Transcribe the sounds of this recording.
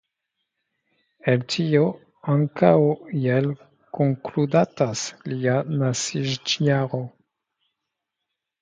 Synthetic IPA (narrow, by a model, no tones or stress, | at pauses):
eltʰio | aŋkawjel | koŋkludataslianasiʒd͡ʒiaɾo